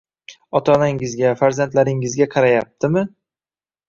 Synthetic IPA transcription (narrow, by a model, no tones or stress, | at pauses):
ɒt̪ʰanaŋɪzɡʲafaɾzant̪laɾɪŋɪzɡʲaqʰɑɾajap̚t̪ʰɪmɪ